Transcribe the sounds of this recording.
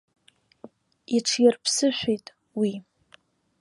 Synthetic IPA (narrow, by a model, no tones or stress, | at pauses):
iʈ͡ʂʰjɪrpʰsɨʃʷᶣejtʼ | wi